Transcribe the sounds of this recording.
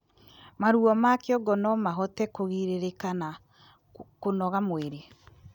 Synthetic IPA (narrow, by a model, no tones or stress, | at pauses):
maɾuɔmakeɔɡɔnɔmaɦɔtɛkoɣiɾeɾekana | konɔɣamweɾe